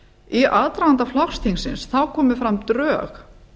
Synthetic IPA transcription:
iʔaðt̪ɾaant̪aflawxst̪ʰiŋsɪnsθawkʰɔːmɪfɾamt̪ɾœːx

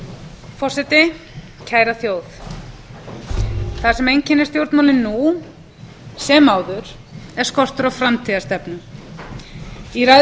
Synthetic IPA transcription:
fɔr̥sɛt̪ɪ | cʰaːjɾaθjoːwθ | θaðsɛmejɲcɪnːɪst̪jowɾt̪mawlɪnːu | sɛːmaːwðʏɾ̥ | ɛɾ̥skɔr̥t̪ʏɾawfɾamt̪ʰiːðast̪ɛpnʏ | iɾaj

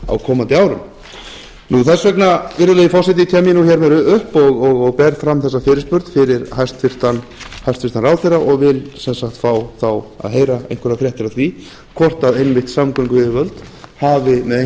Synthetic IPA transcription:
a̰wkʰɔːmant̪ɪaːwɾʏm | nuθɛsvɛknavɪɾðʏlejɪfɔrsat̪̬ɪc̪ʰɛːmjɪnuçɛɾmɛɾʏhpɔɣɔɣɔɣpɛɾfɾamθɛsːafɪːɾɪ̥ɾspʏɾt̪fɪɾɪɾhajst̪fɪr̥t̪anhajst̪fɪst̪anɾraːwθejraʔɔɣvɪlsɛnsaxt̪faːwθawa̰ðɦeːjɾaḛjŋ̥kʰvʏɾafɾjɛht̪ɪɾaθvi | kʰvɔr̥t̪avejnvɪht̪samkœŋkʏɪɪvœlt̪haːvɪmɛðe

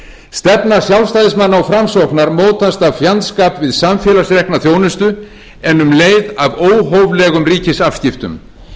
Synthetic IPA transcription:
st̪ɛpnḁsjawlvst̪ajðɪsmanːaɔfɾamsɔwknaɾmoːwt̪ast̪avfjant̪skaːpvɪðsamfjɛːlasɾɛhknaθjoːwnʏst̪ʏ | ɛnːʏmleːjðavoːwɦowvlɛɣʏmriːcɪsafscɪft̪ʏ̰m

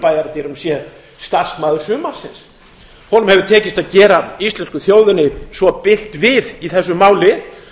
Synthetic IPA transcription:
paːjaɾt̪ɛɾʏmsjɛ | st̪ar̥smaːðʏɾsʏːmḁsɪns | hɔnʏmhɛvʏɾ̥t̪ʰɛːcɪst̪aðcɛːɾaist̪lɛnskʏθjoːwðʏnɪsvɔpɪl̥t̪vɪðiθɛsːʏmaːwlɪ

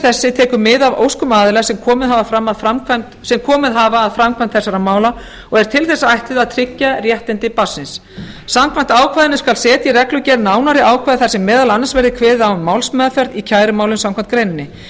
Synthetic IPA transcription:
θɛsːɪt̪ʰɛːkʏmɪðavo̰wskʏmaːðɪlɛɣasɛmkʰɔːmɪðɦavafɾamːaðfɾamkʰvamt̪sɛmkʰɔːmɪðɦaːvaːðfɾamkʰvam̥t̪θɛsːaɾamaːwla | ɔɣɛɾ̥t̪ʰɪlθɛsːaajht̪ɪðaðt̪ʰɾɪcːarjɛht̪ɪnt̪ɪpasːɪns | samkʰvamn̥t̪aːwkʰvajðɪnʏskalsɛːt̪irɛklʏcɛɾnaːwnaɾɪaːwkʰajðɪθasɛmːɛːðalanːansvɛɾðɪkʰvɛːðawmːawlsmɛːðafɛɾðicʰaːjɾʏmaːwlʏmsãmkʰvamn̥t̪kɾejnɪnːɪ

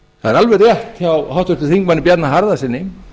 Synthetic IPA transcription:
θaðɛɾalvɛrːjɛht̪çawhawht̪ʏht̪ʏθiŋk̚manɪp̬jat̪naɦaɾðasɪnːɪ

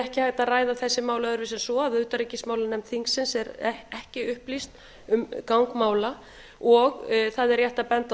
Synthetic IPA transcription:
ɛhcɪhajt̪aðraːjðaθɛsːɪmaːwlaœɾvɪsɛnsɔaðʏːt̪aɾicɪsmaːwlanɛmt̪θiŋksːɪnsɛɾɛhcɪʏhplist̪ | ʏmkawŋkmaːwla | ɔɣθaðɛɾjaht̪apɛnt̪

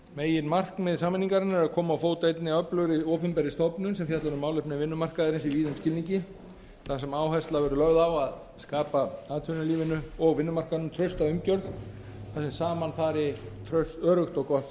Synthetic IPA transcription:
meːjɪnmar̥knmɪðsaːmɪnːiŋkaɾɪnɛɾaðkʰɔːmaːwfoːwt̪ejt̪nɪœplœɾɪoːpʏmpɛɾɪst̪ɔpnʏnsɛmfjat̪laɾʏmaːwlɪhpnɪvɪnːʏmar̥kaðɪɾɪnsiviːðɪnscɪlniɲcɪ | θasɛmaːwhast̪lavɛːɾʏlœɣðawað | skaːpaaːðt̪ʰʏnʏliːvɪnʏɔɣvɪnːʏmar̥kaðnʏmt̪ʰɾœɥst̪aʏmcœɾðθasɛmsaːmanfaːɾɪt̪ʰɾœɥst̪œːɾʏxt̪ɔɣkɔθ

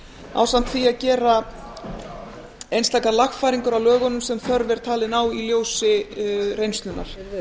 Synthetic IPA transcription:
a̰wsam̥t̪θiaðcɛːɾa | ejnst̪ajkalaxfaːjɾiŋkʏɾawlœːɣɔnʏmsɛmθœɾvɛɾ̥t̪ʰaːlɪnaːwiljoːwsɪrejnst̪lʏnːa̰ɾ̥

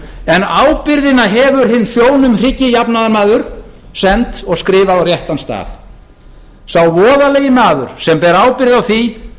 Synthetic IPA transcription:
ɛnaːwpɪɾðɪnaɦɛːvʏɾ̥ɦɪnːsjoːwnʏmr̥ɪcːɪjapnaðamaːðʏɾ̥ | sɛnt̪ɔɣskɾɪːvarjɛht̪anst̪a̰ːθ | sawvɔːðalejɪnaːðʏ̰ɾ̥sɛmpɛːɾaːwpɪɾðawθi

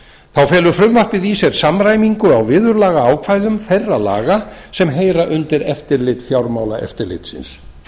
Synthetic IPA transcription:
θawfɛːlʏfɾʏmvar̥pɪðiːsɛɾ̥samɾaːjmiŋkʏawvɪːðʏɾlaːɣaaːwkʰvajðʏmθejrːala̰ːɣasɛmɦeːjɾaʔʏnt̪ɪɾɛft̪ɪɾlɪt̪fjawɾmawla̰ʔɛ̰ft̪ɪɾlɪ̰t̪sɪ̰ns

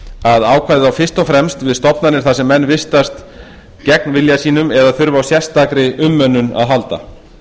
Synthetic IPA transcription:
aðaːwkʰvaːjðɪðawfɪr̥st̪ɔfɾɛmst̪vɪðst̪ɔpnanɪɾ̥θasɛmːɛnːvɪst̪ast̪ | cɛk̚nvɪljasiːnʏmɛðaθʏɾvawsjɛst̪akɾɪʔʏmːœnːʏna̰ðɦalt̪a̰

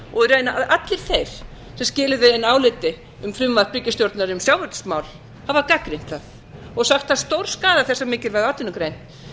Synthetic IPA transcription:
ɔɣɛɾejnaʔaʔat̪lɪɾ̥θejɾ̥ | sɛmscɪːlɪðɪɪnaːwlɪt̪ɪ | ʏmfɾʏmːḁpɾʏcɪst̪jowɾt̪naɾɪʏmsjawvœɾt̪smaːwl̥ | havakakɾɪn̥t̪θaθ | ɔɣsaxt̪θast̪owɾ̥skaːðaθɛsːamɪːcɪɾvɛɾðaːt̪ɪnʏkɾejn̥t̪

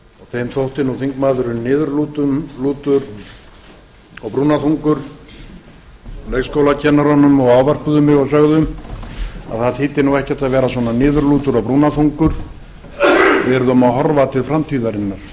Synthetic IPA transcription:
ɔɣθejmθowht̪ɪnuθiŋkmaːðʏɾʏnɪːðʏɾlut̪ʏmluːt̪ʏɾ | ɔɣpɾuːnaθuŋkʏɾ | leɣskowlacʰɛnːaɾanːʏmɔɣawvar̥pʏðʏmɪɣawsœɣðʏm | a̰ðθaðθɪːt̪ɪnuwɛhcɛ̥t̪aðvɛːɾasvɔːnanɪːðʏɾluːt̪ʏɾawpɾuːnaθuŋkʏɾ̥ | vɛɾðɔmaɦɔɾvat̪ʰɪlfɾamt̪ʰiːðaɾɪnːaɾ̥

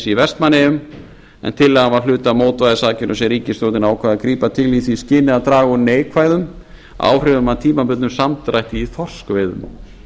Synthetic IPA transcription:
sivɛst̪manːɪʏm | ɛ̰nt̪ʰɪlːɛːɣanvaɾl̥ʏːt̪amoːwt̪vajðɪsaːcɪnʏsɛɾiːcɪst̪oːwt̪ɪnaːwkʰv̥aːðakɾiːpat̪ʰɪliθiscɪːnɪðat̪ɾaːɣɔneːjkʰvajðʏm | a̰ːwr̥ʏðʏmant̪ʰiːmapʏt̪nʏmsamt̪ɾajht̪ɪiθɔr̥skvejðʏ̰ma̰w

